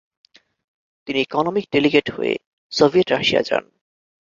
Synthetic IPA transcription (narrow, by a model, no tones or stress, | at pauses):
t̪iniekɔnomik̚ɖeliɡeʈho̰ḛ | sobʱieʈɾaʃia̰d͡ʑa̰n